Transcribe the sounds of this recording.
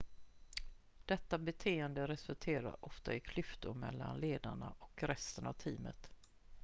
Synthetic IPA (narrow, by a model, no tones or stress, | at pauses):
d̪̥ɛt̪ːabɛt̪ʰeːənd̪əɾɛsɵlt̪ʰeːɾa̰ɾɔft̪aɪkʰlʏft̪ʊɾmɛlːanleːd̪aɳaʔɔkɾɛst̪ənavt̪ʰiːmə̰t̪